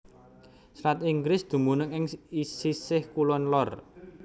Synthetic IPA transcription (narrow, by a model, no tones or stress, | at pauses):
sɾat̪iŋɡɾɪsd̪̥ṳmunəŋɪŋisisɪhkulɔnlɔr